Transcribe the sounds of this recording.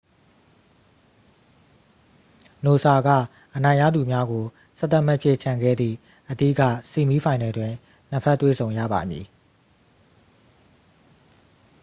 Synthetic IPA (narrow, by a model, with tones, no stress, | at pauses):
no˨sa˨ɡä̰˦˨ | ʔənã˨ɪ̃ja̰˦˨d̪u˨mja˦ɡo˨ | sɛ˦t̪a˦ʔmɛ˦ʔpʰje˦˨t͡ɕʰã˨ŋɡɛ̰˦˨d̪ðḭ˦˨ | ʔədḭ˦˨kä̰˦˨si˨mi˦pʰã˨ɪ̃nɛ˨dwɪ̃˨ | n̥ə˦pʰɛ˦˨tːwḛ˦˨zʰõ˨ʊ̃jä̰˦˨ba̰˨mjḭ˨